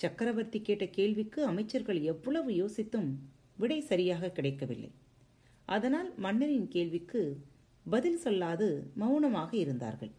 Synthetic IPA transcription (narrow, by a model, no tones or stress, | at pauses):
t͡ʃɐkːɐɾɐʋɐɾt̪ikːeːʈːɐkeːɭʋɪkːɯɐmɐɪt͡ʃːɐɾɣɐɭɛʋːɯɭɐʋɯjoːsɪt̪ːɯm | ʋɪɽɐɪsɐɾɪjaːɣɐkːɪɽɐɪkːɐʋɪ̰lːɐ̰ɪ | ʔɐðɐnaːlmɐnːɐɾɪnkeːɭʋɪkːɯ | bɐðɪlsɔlːaːðɯmɐʊɳɐmaːɣɐɪɾɯnd̪a̰ːɾɣɐ̰ɭ